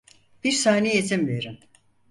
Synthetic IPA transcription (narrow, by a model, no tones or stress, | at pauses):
b̥iɾsaːnejet̪ʰimveɾim